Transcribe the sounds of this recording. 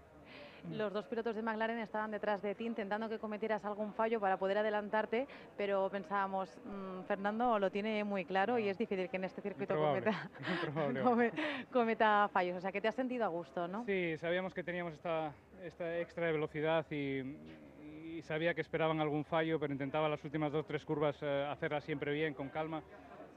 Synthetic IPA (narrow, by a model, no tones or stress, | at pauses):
lo̞zðospilo̞t̪ozð̞e̞maɣlaɾe̞ne̞st̪aβand̪e̞t̪ɾazðe̞t̪iːnt̪ent̪and̪o̞ke̞ko̞me̞t̪jeɾasalɣ̞uɱfaʝo̞paɾapo̞ð̞e̞ɾaðe̞lant̪aɾt̪e̞ | pe̞ɾo̞pe̞nsaβamo̞smfe̞ɾnãnd̪o̞lo̞t̪je̞ne̞mujklaɾo̞ie̞zðifiθilkene̞st̪e̞θiɾkwuit̪ooβoaβelt̪apɾoβaβeomeko̞me̞t̪afaʝosos̬eake̞t̪e̞asːe̞nt̪̬iðoaɣ̞ust̪o̞no̞sisaβiamo̞ske̞t̪e̞niamo̞sest̪a | est̪aekst̪ɾaðeβe̞lo̞θiðaθi | saβiakeːspe̞ɾaβ̞aŋalɣuɱfaʝope̞ɾoint̪ent̪aβalasult̪imazðo̞st̪ɾe̞skuɾβasaθe̞ɾlasje̞mpɾe̞βje̞ŋko̞ŋkalma